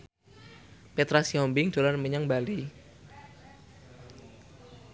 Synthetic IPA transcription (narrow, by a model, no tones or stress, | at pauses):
pet̪ɾasiɔmbɪŋd̥olarməɲaŋbali